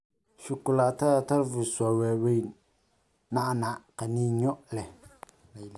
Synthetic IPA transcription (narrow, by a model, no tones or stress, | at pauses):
ʃʊkʊlataɾataɾvuswawɛːwej | nanakaniɲɔlɛ